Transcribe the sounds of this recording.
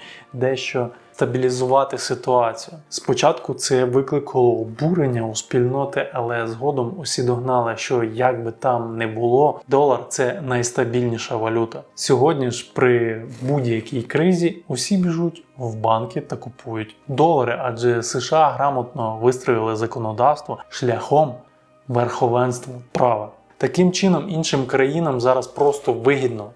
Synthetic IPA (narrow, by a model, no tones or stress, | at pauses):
d̪ɛʃt͡ʃɔst̪ɐbʲilʲizʊʋɑt̪ɪsɪt̪ʊɑt͡sʲijʊspɔt͡ʃɑt̪kʊt̪sɛʋɪklˠɪkʰɐlˠɔbuɾenʲːɐʊspʲilʲnɔt̪ɪʔɐlˠɛzɦɔd̪ɔmʊsʲid̪ɔɦnɑlˠɪʃt͡ʃɔjaɡ̚bɪt̪ɑmnɛbʊlˠɔd̪ɔlˠɐrt̪sɛnɐjst̪ɐbʲilʲnʲiʃɐʋɐlʲut̪ɐsʲɔɦɔdʲnʲiʃpɾɪbudʲjɐkʲijkɾɪzʲiʊsʲibʲiʒutʲwbɑnkʲit̪ɐkʊpʰujʊtʲd̪ɔlˠɐɾɪʔɑd͡ʒɛsɪʃɑɦɾɑmɐt̪̚nɔʋɪst̪ɾɔjɪlˠɪzɐkɔnɔd̪ɑwst̪ʋɔʃlʲɐxɔm | ʋerxɔʋɛnst̪ʋɐprɑʋɐ | t̪ɐkɪmt͡ʃɪnɔminʃɪmkɾɐjinɐmzɑɾɐspɾɔst̪ɔʋɪɦʲid̪nɔ